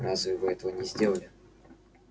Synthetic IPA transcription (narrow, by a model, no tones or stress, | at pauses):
ɾazɨvɨɛt̪əvənʲɪzʲdʲe̞lˠəlʲɪ